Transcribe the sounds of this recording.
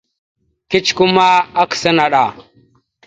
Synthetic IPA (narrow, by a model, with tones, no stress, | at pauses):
ki˦t͡ʃku˦ma˦a˦ksa˦na˨ɗa˨